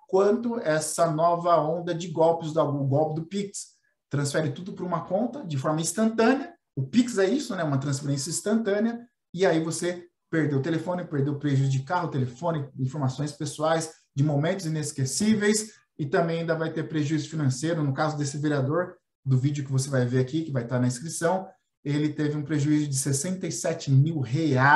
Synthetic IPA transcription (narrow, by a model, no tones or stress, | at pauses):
kwɐ̃nt̪ʊɛsɐnɔvɐõnd̪ɐd͡ʒɪɡɔwpɪzd̪ɐɡɡɔwpɪd̪ʊpiks | t̪ɾɐ̃sfɛɾɪt̪ud̪ʊpɾũmɐkõnt̪ɐd͡ʒɪfɔɾmɐĩst̪ɐ̃nt̪ɐ̃nɪɐ | ʊpiksɛisʊnɛũmɐt̪ɾɐ̃sfeɾẽsjɐĩst̪ɐ̃nt̪ɐ̃nɪɐ | ɪaivose | peɾd̪ewt̪elefõnɪpeɾd̪ewpɾeʒuzd͡ʒɪkaɦʊt̪elefõnɪĩfoɾmasõj̃spesuajs | d͡ʒɪmomẽnt̪ʊzineskesivejs | ɪt̪ɐ̃mbẽj̃ãĩd̪ɐvajt̪eɾpɾeʒuizʊfinɐ̃sejɾʊnʊkazʊd̪esɪveɾiad̪oɾ | d̪ʊvid͡ʒʊkɪvosevajveɾakikɪvajt̪aɾnɐĩskɾisɐ̃w̃ | elɪt̪evɪũpɾeʒuizjʊd͡ʒɪsesẽnt̪ɐjsɛt͡ʃɪmiwɦea